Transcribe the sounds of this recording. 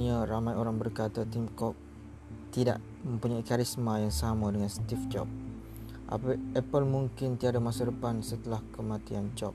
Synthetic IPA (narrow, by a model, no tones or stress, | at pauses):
iaɾamajoɾaŋbərkat̪at̪imkɔk̚ | t̪ida̰ʔ | mə̃mpuɲaikaɾismajaŋsamãdəŋãnst̪ift͡ʃɔ̰p̚ | ʔa̰pəʔɛpəlmuŋkɪnt̪iadamasadəpansət̪əlahkəmãt̪iant͡ʃɔp̚